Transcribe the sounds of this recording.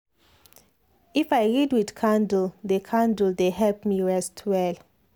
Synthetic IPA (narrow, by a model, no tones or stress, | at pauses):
ifajɹidwidkʰãndl̩dekʰãndl̩deɦɛlpmiɹɛstʰwɛl